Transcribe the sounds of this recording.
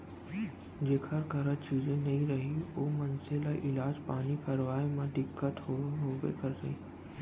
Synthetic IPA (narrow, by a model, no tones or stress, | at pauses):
d͡ʑeːkʰəɾkɐɾət͡ʃiːzẽnɐɦĩɾɐɦioːmɐnselaːʔɪlaːd͡ʑpaːnikɐɾʋaːemãɖɪkːət̪ɦoːoɦoːɡḛkɐɾɾɐɦĩː